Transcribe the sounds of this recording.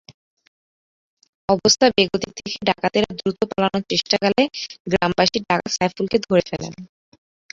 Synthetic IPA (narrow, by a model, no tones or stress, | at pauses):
ɔbost̪ʰabeɡot̪ik̚t̪ʰekeɖakat̪eɾad̪ɾut̪opalanoɾt͡ɕeʃʈakaleɡɾambaʃiɖakasajfulked̪ʱoɾefelḛn